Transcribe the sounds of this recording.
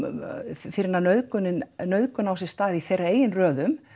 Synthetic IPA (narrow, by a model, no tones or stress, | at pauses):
fɪɾɪnanœðkʏnɪnnœɥðkʏnawsɛst̪aːðiθejrːaeːjɪnrœːðʏm